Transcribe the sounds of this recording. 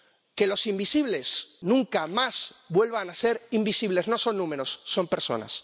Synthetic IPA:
ke̞lo̞simbisiβle̞snũŋkamaz̥bwe̞lβanaseɾimbisiβ̞le̞zno̞so̞nːũme̞ɾo̞sːo̞mpeɾso̞̰na̰s

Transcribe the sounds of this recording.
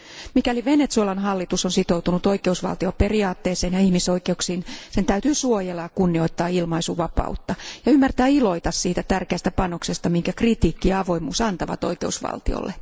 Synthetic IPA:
mikæliʋenet̪suolɑnɦɑlːit̪usonsit̪owt̪unut̪oikeusʋɑ̰lt̪ioperiɑːt̪ːeːseːnjɑihmisoikeuksiːnsent̪æyt̪yːsuojelːɑjɑkunːio̞it̪ːɑːilmɑisuʋɑpɑ̰ut̪ːɑjɑymːært̪æːilo̞it̪ɑssiːt̪æt̪ærkeæst̪æpɑno̞ksest̪ɑmiŋkækrit̪iːkːiɑɑʋo̞imṵːsɑnt̪ɑʋɑ̰t̪o̰ike̞usʋɑ̰lt̪io̰lːe

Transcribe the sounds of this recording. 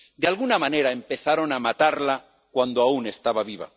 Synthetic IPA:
d̪ealɣunamãne̞ɾaempe̞θaɾo̞namat̪aɾla | kwand̪oaune̞st̪aβaβiβa̰

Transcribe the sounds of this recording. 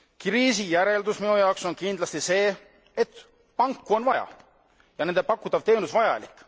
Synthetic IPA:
kriːsijæɾe̞ld̪usminujɑwkso̞nkind̪̥lɑst̪ise̞ː | et̪ | pɑŋkːuo̞nvɑjɑ̰ | jɑne̞nd̪e̞pɑkːˑut̪ːˑɑvt̪e̞ːnusvɑjɑ̰likˑː

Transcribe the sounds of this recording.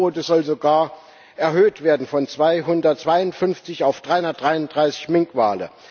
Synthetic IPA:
oːtəzɔlzoɡaːɐ | ʔɛɐɦøːtv̥eːɐdn̩fɔnt͡sv̥aɪɦʊndɐt̚t͡sv̥aɪʊntfʏnft͡sɪçaʊfd̥ʁaɪhʊndɐtd̥ʁaɪʊndʁaɪsɪ̥çmɪŋkv̥a̰ːlə̰

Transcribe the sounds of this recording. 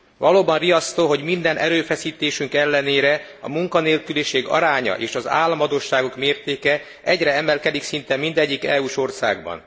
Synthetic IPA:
vɒloːbɒnrijɒst̪oːɦo̞ɟmind̪ɛnʔɛɾøːfɛsiːt̪eːʃyŋkɛlːɛneːɾɛ | ɒ̰muŋkɒneːlkyliʃeːɡɒ̰ɾaːɲɒ̰ʔeːʃɒza̰ːlːɒmɦɒd̪oːʃːaːɡo̞kmeːrt̪eːkɛ | ʔɛɟrɛɛmɛlkɛd̪iksint̪ɛmind̪ɛɟːikɛuːʃo̞rsa̰ːɡ̚bɒ̰n

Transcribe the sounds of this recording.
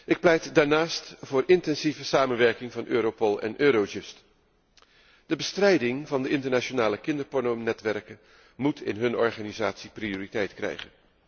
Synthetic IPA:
ɪk̚plɛjtdaːɹnaːstvʊːɹɪntɛnzivəsaːmənʋɛɹkɪŋvɑnʔøːɾopolˠɛ̰nʔøːɾod͡ʒʏst | d̥əbəstrɛjdɪŋvɑndəɪntəɹnat͡ʃonaːləkɪndəɹpɔɹnonɛtʋɛɹkə | mutɪ̰nɦɵnɔ̰ɹχaːnizaːtsiprijoːritɛjtkrɛ̰jχən

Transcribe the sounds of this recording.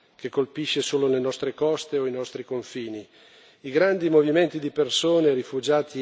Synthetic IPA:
kekːolpiʃːesoːlolenɔst̪ɾekɔst̪eoinɔst̪ɾikoɱfiːni | iɡɾand̪imoviment̪id̪ipersoːnerifud͡ʒaːt̪ʰi

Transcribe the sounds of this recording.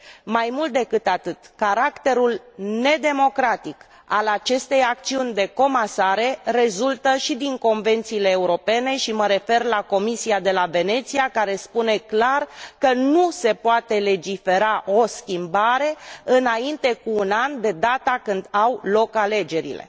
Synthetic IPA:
majmult̪̚d̪e̞kɨt̪at̪ɨt̪kaɾakt̪e̞ɾulne̞d̪e̞mo̞kɾat̪ik | alat͡ʃe̞st̪e̞jak̚t̪siunʲd̪e̞ko̞masaɾe̞re̞zult̪əʃid̪iŋko̞nve̞nt̪siːle̞ːuɾo̞pe̞ne̞ʃiməɾe̞fe̞rlako̞misiad̪e̞lave̞ne̞t̪siakaɾe̞spune̞klarkənuse̞poat̪e̞le̞d͡ʒife̞ɾaʔo̞skʲimbaɾe̞ɨnaint̪e̞kuːnand̪e̞d̪at̪akɨnd̪awlo̞kale̞d͡ʒe̞ɾḭle̞̰

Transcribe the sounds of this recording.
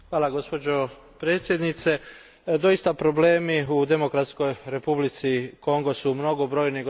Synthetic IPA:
xʋaːlˠaɡo̞spo̞d͡ʑo̞ | pɾe̞ːt̪sje̞d̪nit̪se̞ | d̪o̞ist̪apɾo̞ble̞ːmiud̪e̞mokɾat̪sko̞jɾe̞publit̪siko̞ŋɡo̞sumno̞ɡo̞bɾo̞ːjniɡ

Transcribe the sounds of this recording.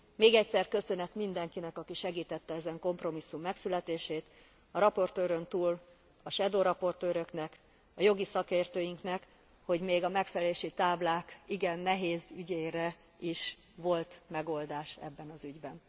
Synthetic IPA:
meːɡɛcsɛrkø̞sø̞nɛt̪mind̪ɛŋkinɛkɒkiʃɛɡiːt̪ɛt̪ːɛɛzɛŋko̞mpro̞misːumːɛksylɛt̪eːʃeːt̪ | ɒɾɒpo̞rt̪øːɾønt̪uːl | ɒʃɛd̪oːɾɒpo̞rt̪øːɾø̞knɛk | ɒjo̞ɡisɒkeːrt̪øːjiŋknɛk | ho̞ɟmeːɡɒmɛkfɛlɛleːʃit̪aːblaːkiɡɛnːɛɦeːzyɟeːɾɛ | iʃ | ʋo̞lt̪mɛɡo̞ld̪aːʃɛ̰bːɛnɒzyɟbɛn

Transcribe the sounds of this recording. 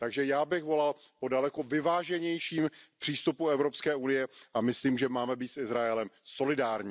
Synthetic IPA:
t̪aɡʒɛjaːbɪɣvo̞lalpo̞dalɛko̞vɪvaːʒɛɲɛjʃiːmpr̝̥iːst̪upuɛvɾo̞pskɛːunɪjɛʔamɪsliːmʒɛmaːmɛbiːt̪sɪzɾaɛlɛmso̞lɪdaːɾɲi

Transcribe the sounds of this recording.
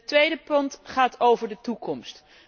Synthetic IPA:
tʋejdəpɵntχaːtowvəɹdətukɔmst

